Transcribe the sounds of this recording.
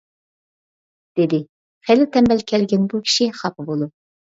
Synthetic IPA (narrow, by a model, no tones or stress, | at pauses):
d̪̥ɪd̪ɪ | χɛlːɪt̪ʰɛmbɛlkʲʰɛlɡʲɛnbukʲʰi̥ʃiχɑpʰɨbolˠu